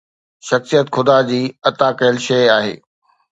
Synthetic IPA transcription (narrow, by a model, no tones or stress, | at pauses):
ʃɐxsijət̪xʰʊd̪ad͡ʑiːɐt̪aːkɐɦɪlʃɐaːɦḛː